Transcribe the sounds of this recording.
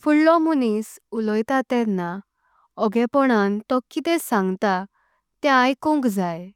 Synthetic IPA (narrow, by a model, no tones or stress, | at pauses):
fuɽːɔ̃munis | ulɔjt̪at̪ɛɾna | ɔɡɛpɔɽant̪ɔkːit̪ɛsãŋɡt̪a | t̪ɛ̃ajkũŋɡd͡zaj